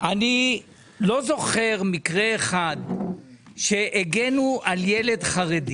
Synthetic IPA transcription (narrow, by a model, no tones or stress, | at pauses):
ʔani | lo̞zo̞χe̞ʁmikʁeːχad̪ | ʃe̞ʔeɡe̞nuʔaljele̞d̪χaʁedi